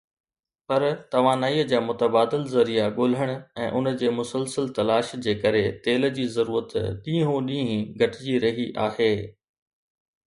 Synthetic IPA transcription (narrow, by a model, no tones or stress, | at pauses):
pɐɾt̪ɐʋ̤ãːnaːiːəd͡ʑaːmʊt̪əbaːd̪ɪlzɐɾijaɠoːl̤əɽ̃ʊ̆ɛ̃ːʔʊnd͡ʑeːmʊsəlsəlt̪ɐlaːʃd͡ʑeːkɐɾet̪eːl̆d͡ʑiːzɐɾuːɾət̪ɗĩːɦõɗĩːɦĩɡʱɐʈɪd͡ʑiɾɐɦiʔaːheː